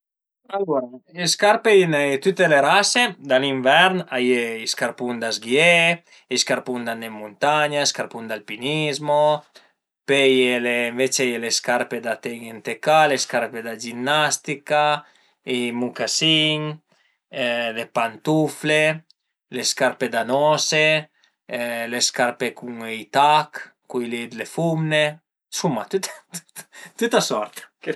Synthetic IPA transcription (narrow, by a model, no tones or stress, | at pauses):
aloɾaeskaɾpeinat̪ut̪ːeleɾased̪aliɱvɛɾnajeiskaɾpund̪azɡie | iskaɾpund̪anemːunt̪aɲaeskaɾpund̪alpinizmo | pejeleɱvet͡ʃejeleskaɾped̪at̪eɡent̪ekaleskaɾped̪ad͡ʒinːast̪ika | imukasiŋ | lepant̪ufle | leskaɾped̪anɔse | leskaɾpekuŋejt̪akː | ujlid̪lefumne | sumat̪ut̪t̪ut̪t̪ut̪asɔɾt̪k